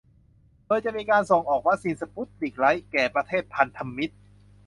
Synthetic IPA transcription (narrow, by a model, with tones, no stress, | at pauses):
doː˧jt͡ɕa˨˩miː˧kaː˧nso˨˩ŋʔɔː˨˩k̚wa˦˥k̚siː˧nsa˧pu˦˥t̪̚liː˨˩k̚la˦˥jkɛː˨˩pɾa˧t̪ʰeː˥˩t̪̚pʰa˧nt̪ʰa˧mːi˦˥t̪̚